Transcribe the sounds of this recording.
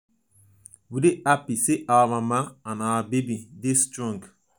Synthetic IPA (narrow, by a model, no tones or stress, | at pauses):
wideʔapiseʔawamamãanawabebidestɾɔ̃ŋɡ